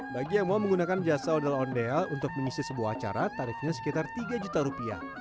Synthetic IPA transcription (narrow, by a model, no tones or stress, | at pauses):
baɡiamoaməŋɡunakand͡ʒasaɔdalɦɔndealunt̪ʊk̚məŋisɪsəbuaɦːt͡ʃa̰ɾat̪aɾɪfɲasə̥kit̪art̪iɡad͡ʒut̪aɾupia̰h